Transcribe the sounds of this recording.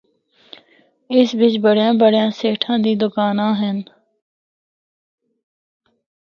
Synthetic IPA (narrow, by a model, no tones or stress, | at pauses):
ɪsbɪt͡ʃbəɽjãːbəɽjãːseːʈʰãːd̪iːd̪ʊkaːnãːɦɛn